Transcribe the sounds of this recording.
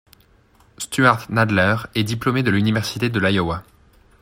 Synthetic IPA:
st̪yaʁt̪nad̪lɛʁɛd̪iplomed̪əlynivɛʁsit̪ed̪əlajɔwa

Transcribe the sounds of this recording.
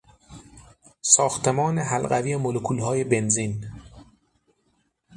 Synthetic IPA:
sɒːxt̪ʰe̞mɒːneɦælɢæviːemolokʰuːlɦɒːje̞be̞nziːn

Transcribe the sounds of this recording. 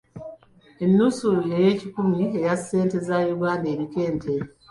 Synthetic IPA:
e̞nːusujeje̞ːcikumie̞jase̞ːnte̞zajuɡaːndeːɾike̞ːntʰe

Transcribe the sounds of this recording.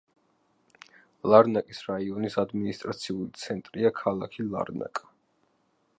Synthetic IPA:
lˠaɾnakʼisɾaiɔnisad̪minist̪ʼɾat̪sʰiulit̪sʰɛnt̪ʼɾiakʰalˠakʰilˠa̰ɾna̰kʼḁ

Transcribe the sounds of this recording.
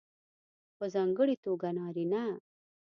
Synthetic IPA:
pozɐŋɡəɽit̪uɡɐnaːɾina

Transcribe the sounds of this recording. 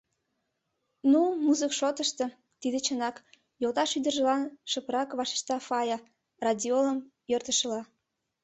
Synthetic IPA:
numuzəkʃot̪əʃt̪ɤ | t̪id̪et͡ɕənɑk | jolt̪ɑʃyd̪ərʒəlɑnʃəpəɾɑkβɑʃe̥ʃt̪ɑfɑjɑ | rɑdʲioləmjørt̪əʃə̆lɑ

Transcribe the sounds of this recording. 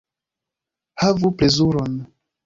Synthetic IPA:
havuple̞zuɾo̞n

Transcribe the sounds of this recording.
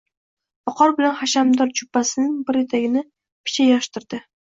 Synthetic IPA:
b̥ɒqʰɒɾbɪlanχaʃamd̪ɒɾd͡ʒʰʊpːasɪnɪŋbɪɾet̪ʰaɡʲɪnɪ | pʰɪ̥t͡ʃʰajɒʃt̪ɪɾd̪̥ɪ

